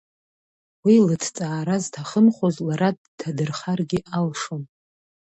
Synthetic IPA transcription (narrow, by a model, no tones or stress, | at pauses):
wilɨtʰt͡sʼaːɾaztʰaχəmχʷozlaɾad | tʰːadɨrχarɡʲɪʔalʂon